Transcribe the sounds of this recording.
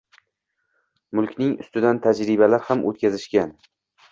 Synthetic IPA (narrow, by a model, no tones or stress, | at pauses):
mʊlˠkʲnɪŋʊ̰st̪ɪd̪ant̪ʰad͡ʒɾɪbalaɾhamʔo̰t̪̚kʲʰazɪʃkʲan